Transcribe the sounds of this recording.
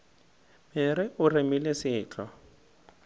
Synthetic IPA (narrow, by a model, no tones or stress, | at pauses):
mɪɾɪʊrɪmɪlɪsɪːt͡ɬʼɔ